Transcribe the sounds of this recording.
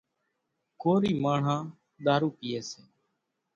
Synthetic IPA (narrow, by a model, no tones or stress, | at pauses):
koːɾiːmaːɳ̤ãː | ɗ̪aːɾuːkɪjeːseː